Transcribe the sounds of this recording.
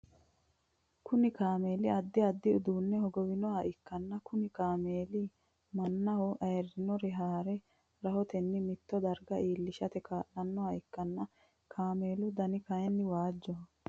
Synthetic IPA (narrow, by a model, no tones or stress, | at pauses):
kʊnɪkaːmeːlɪɐd̪ːɪɐd̪ːɪʊd̪uːnːɛhɔɡɔwɪnɔhɐɪkːɐnːɐkʊnɪkaːmeːlɪ | mɐnːɐhɔʔɐjɛrːɪnɔɾɛɦaːɾɛ | ɾɐhɔt̪ɛnːɪmɪt̪ːɔd̪ɐɾɡɐʔiːlːɪʃɐt̪ɛkaːʔɐnːɔhɐɪkːɐnːɐ | kʰaːmeːlʊd̪ɐnɪkɐjɛnːɪwaːd͡ʒːɔ